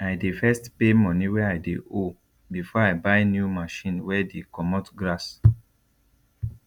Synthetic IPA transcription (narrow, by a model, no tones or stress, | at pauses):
ajdefɛstpemɔ̃niwɛajdeo | bifɔaɪbaɪnjumaʃĩnwɛdekɔmɔtɡɹas